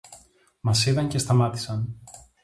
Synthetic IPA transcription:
mɐsiðɐɲce̞st̪ɐmɐt̪i̥sɐn

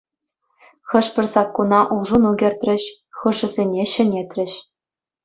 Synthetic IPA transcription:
xɤ̆ʂpʲɘ̆rʲsɑkːunɑʔulˠʐunuɡʲĕrʲt̪ʲrʲɘ̆ɕ | xɤ̆ʐɘ̆zʲenʲeɕɘ̆nʲet̪ʲrʲɘ̆ɕ

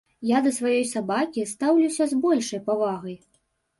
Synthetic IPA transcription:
jad̪ɐsvajɔjsabakʲist̪awlʲuwsʲɐzbɔlʲʂɐjpavaɣɐj

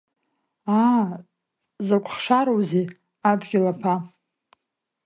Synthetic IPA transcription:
a | zakʷʰʼχʂaɾowzi | adɡʲɪlapʰa

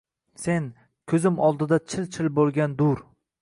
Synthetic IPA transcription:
se̞n | kʲʰɵzɪmɒlˠd̪ɪd̪at͡ʃʰɪlt͡ʃʰɪlbolˠɡʲand̪ʊɾ

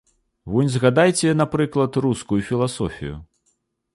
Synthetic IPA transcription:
vɔjnʲzɣad̪ajt͡sʲɛnapɾɨklˠɐt̪ruskujufʲilˠasɔ̰fʲḭjṵ

